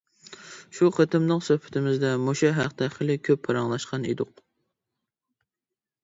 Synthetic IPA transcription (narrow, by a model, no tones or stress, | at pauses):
ʃuqʰət̪ɪmnɨŋsøhpʰɪ̥t̪ʰɪmɪzd̪ɛmoʃɑɦæqd̪ɛχəlɪkʲʰøpʰːɑɾɑŋlˠɑʃqɑnḛd̪ʊq̚